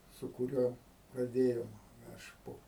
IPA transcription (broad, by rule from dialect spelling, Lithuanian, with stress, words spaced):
sʊ kʊˈrʲuɔ prɐˈdʲeːjoːm ɐʃ ˈpoː